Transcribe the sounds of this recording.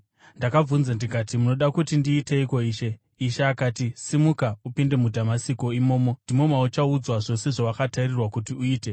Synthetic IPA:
ndakavunzandikatimuno̞ɗakutindiːte̞iko̞iːʃe̞ | iʃaːkaːtisimukaupinde̞mudʱamasiko̞imo̞ːmo̞ndimo̞maut͡ʃaud͡zwaʐo̞se̞ʐowakatairirwakutiuiːte̞

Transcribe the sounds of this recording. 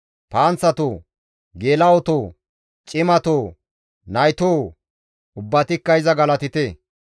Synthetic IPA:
paːnt͡sːɐt̪oː | ɡeːlɐwɔt̪oː | t͡ʃʼɪmɐt̪oː | nɐjt̪oː | ʊbːɐt̪ɪkːɐɪzɐɡɐlɐt̪ɪt̪e

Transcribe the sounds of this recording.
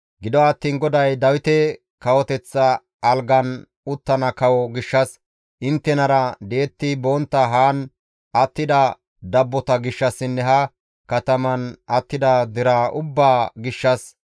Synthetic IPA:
ɡɪd̪ɔɐt̪ːiːnɡɔd̪ɐjd̪ɐwɪt̪ɛ | kɐwɔt̪ɛt͡sːɐː | lɡɐn | ʊt̪ːɐnɐkɐwɔɡɪʃːɐs | ʔɪnt̪ːɛnɐɾɐd̪eːt̪ːɪbɔnt̪ːɐɦaːn | ʔɐt̪ːɪd̪ɐ | d̪ɐbːɔt̪ɐɡɪʃːɐsːɪnːɛɦɐ | kɐt̪ɐmɐnɐt̪ːɪd̪ɐd̪ɪɾɐʔʊbːaːɡɪʃːɐs

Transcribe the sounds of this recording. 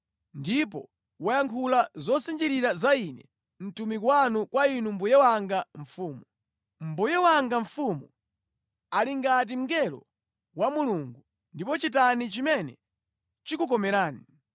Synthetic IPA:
ndip̬ɔ̰ | wɔjaŋkʰulazɔsind͡ʒiɾiɾazainɛ | n̩tumikwanukwainumbujɛwaŋɡaɱfuːmu | m̩bujɛwaŋɡaɱfumu | aliŋɡat̬im̩ɡɛlɔ̰ | wamuluŋɡu | ndipɔt͡ʃitanit͡ʃimɛnɛ̰ | t͡ʃikuk̬ɔmɛɾaːni

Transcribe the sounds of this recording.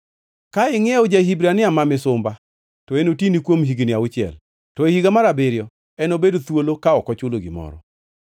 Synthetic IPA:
kaɪŋɛod͡ʒaɦibɾanɪamamɪsʊmba | tɔenotinikwomɦiɡinɪaʊt͡ʃɪɛ̰l | tɔehiɡamaɾabɪɾjɔ | ɛnobedot̪wolokaɔkɔt͡ʃʊloɡɪmɔ̰ɾɔ̰

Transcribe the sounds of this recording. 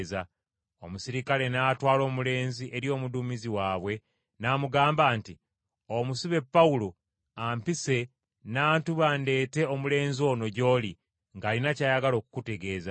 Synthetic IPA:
za | o̞musiɾikale̞naːtwaːlo̞ːmule̞ːnziʔe̞ɾjo̞ːmuduːmiziwaːβwe̞ | naːmuɡaːmbaːnti | omusiβe̞pːaulo | ampise̞ | naːntuβande̞ːte̞omule̞ːnzio̞ːno̞ɟo̞ːli | ŋɡaːlinacaːjaɡalo̞ːku̥kute̞ɡe̞ːza

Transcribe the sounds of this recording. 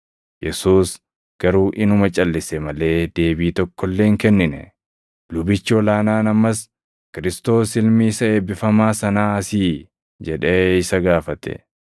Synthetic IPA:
jɛsuːs | ɡ̥ɐɾuːʔɪnʊmɐt͡ʃʼɐlːɪsɛmɐle̞ːd̪e̞ːbiːt̪ɔkʰːɔlːe̞ːŋkɛnːɪnɛ̰ | lʊbɪt͡ʃːɔlaːnaːnɐmːɐs | kɪɾɪst̪o̞ːsɪlmiːsɐe̞ːbɪfɐmaːsɐnaːɐsiː | d͡ʒɛᶑe̞ːɪsɐɡaːfɐt̪ɛ̰

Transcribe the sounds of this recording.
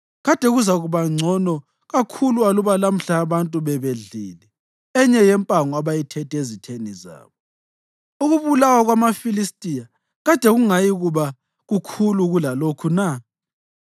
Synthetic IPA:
ɣad̥ʱɛɣuzaɣuβaŋ͡ǀʱɔnɔ | ɣakʰulualuβalam̩ɬaːβantʼuβɛβeɮiːlɛ | ɛɲɛjɛmpʼaŋɔaβajitʰɛtʰʼezitʰeniza̰ːβɔ | uɣuβulawaɣwamafilistʼija | ɣad̥ʱɛɣuŋajiɣuβa | ɣukʰuluɣulalokʰuna

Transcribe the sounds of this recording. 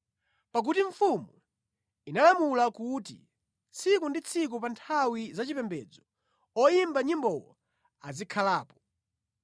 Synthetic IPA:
pak̬utiɱfumu | inalamulakutḭ | t͡sʰikundit͡sʰik̬upantʰawizat͡ʃipɛmbɛ̰d͡zɔ | ɔjimbaɲimbɔwɔ | azikʰalaːpɔ̥

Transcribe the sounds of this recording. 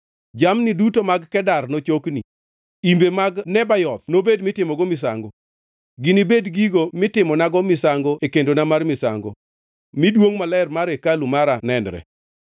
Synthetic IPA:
d͡ʒamnidutomaɡkɛdarnot͡ʃokni | imbemaɡnɛbajɔt̪nobedmɪtɪmɔɡɔmɪs̬a̰ŋɡo | ɡɪnibedɡiɡomɪtɪmɔnaɡɔmɪsaŋɡoekendonamarmɪsa̰ŋɡo̰ | midwoŋmalɛrmaɾekalumaɾanɛnɾɛ̰

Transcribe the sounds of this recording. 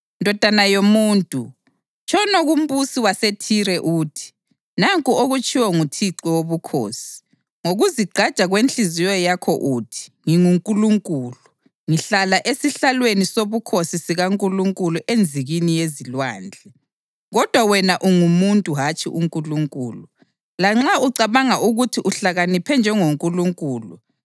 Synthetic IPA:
ndʱɔd̥ʱanajomuːntʼu | t͡ʃʰʼɔnoɣum̩busiwasetʰiɾɛʔuːtʰi̥ | naŋkʼuoɣut͡ʃʼiwɔŋutʰiǀɛwoβukʰo̰ːsi̥ | ŋoɣuziɡ͡ǃʱḁt͡ʃʼaɣwent͡ɬizijɔjakʰɔʔuːtʰi̥ŋiŋuŋkʼuluŋkʼuːlu | ŋiɬalaʔesiɬalwenisoβukʰosisiɣaŋkʼuluŋkʼuluʔend͡zʱiɣinijezilwaːnd͡ɮʱɛ | ɣɔd̥ʱwawɛnaʔuŋumuntʼuɦat͡ʃʼiʔuŋkʼuluŋkʼuːlu | laŋ͡ǁauǀaβaŋaʔuɣutʰiʔuɬaɣanipʰɛnd͡ʒʱɛŋoŋkʼuluŋkʼuːlṵ

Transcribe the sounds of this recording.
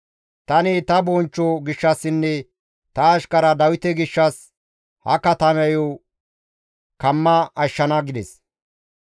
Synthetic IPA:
t̪ɐnɪt̪ɐbɔnt͡ʃːɔɡɪʃːɐsːɪnːɛ | t̪ɐːʃkɐɾɐd̪ɐwɪt̪ɛɡɪʃːɐs | hɐ̰kɐt̪ɐmɛjo | kɐmːɐɐʃːɐnɐɡɪd̪ɛs

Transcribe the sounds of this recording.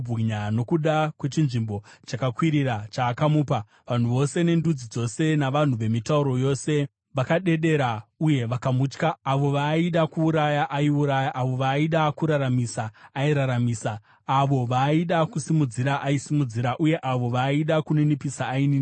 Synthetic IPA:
bʱiɲano̞kuɗakwe̞t͡ʃinʐimbo̞t͡ʃakakwiɾiɾat͡ʃaːkamuːpa | ʋan̤uʋo̞se̞ne̞ndud͡zid͡zo̞se̞naʋan̤uʋe̞mitauɾo̞jo̞ːse̞ | ʋakaɗe̞ɗe̞ɾauje̞ʋakamut͡ʃkaːʋo̞ʋaiɗakuːɾajaʔaiuɾajaʔaʋo̞ʋaiɗakuɾaɾamisaːiɾaɾamiːsaː | ʋo̞ʋaiɗakusimud͡ziɾaʔaisimud͡ziɾaʔuje̞ʔaʋo̞ʋaiɗakunenipisaːinin

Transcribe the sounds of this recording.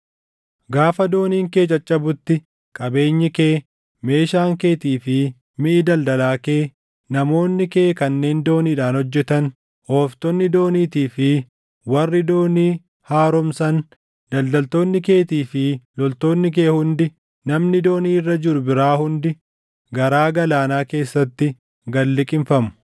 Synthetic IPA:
ɡaːfɐd̪o̞ːniːŋke̞ːt͡ʃʼɐt͡ʃʼːɐbʊt̪ːɪ | kʼɐbe̞ːɲːɪke̞ː | me̞ːʃaːŋke̞ːt̪iːfɪ | mɪʔɪd̪ɐld̪ɐlaːke̞ː | nɐmo̞ːnːɪke̞ːkɐnːe̞ːnd̪o̞ːniːᶑaːnhɔd͡ʒːɛt̪ɐn | hoːft̪ɔnːɪd̪o̞ːniːt̪iːfɪ | wɐrːɪd̪o̞ːniː | haːɾɔmsɐn | d̪̥ɐld̪ɐlt̪oːnːɪke̞ːt̪iːfɪlɔlt̪o̞ːnːɪk̬e̞ːhʊnd̪ɪ | nɐmnɪd̪o̞ːniːrːɐd͡ʒɪɾʊbɪɾaːhʊnd̪ɪ | ɡɐɾaːɡɐlaːnaːke̞ːsːɐt̪ːɪ | ɡɐlːɪkʼɪɱfɐmʊ̥

